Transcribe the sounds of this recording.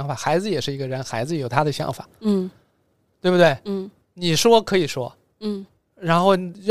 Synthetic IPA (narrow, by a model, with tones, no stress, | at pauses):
ŋfa˨˩xa˧˥ɪd͡zɹ̩˧jɛ˨˩ʂɻ̩˥˩i˧˥ɡə˧ɻə˧˥nxa˧˥ɪd͡zɹ̩˧jo˨˩ʊt̪ʰa˥d̪ə˨ɕjɑ̰˧˥ŋfa̰˨˩˦ | t̪we˥ɪbu˩t̪we˥˩ɪ˥˩ | ni˨˩ʂwɔ˥kʰɤ˧˥i˨˩ʂwɔ̰˥˩ | ɻa˧˥nxo˥˩ʊ˨ɻ